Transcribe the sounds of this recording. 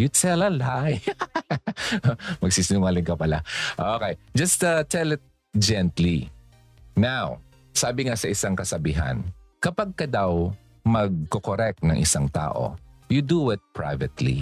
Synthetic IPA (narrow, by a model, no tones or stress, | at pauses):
jut̪ɛlɐlaj | mɐɡ̚siːsɪnʊŋaːlɪnkɐpɐlaʔokejd͡ʒɐst̪ɐt̪ʰɛlɪt̪̚ | d͡ʒɛnt̪li | naw | saːbɪŋasɐʔɪsaŋkɐsɐbiːɦɐ̰n | kɐpaɡ̚kɐd̪ɐw | mɐɡ̚kokoɾɛk̚t̪nɐŋʔɪ̰saŋt̪a̰ːʔo̰jud̪uɪt̪̚pɹa̰jvɛt̪lḭ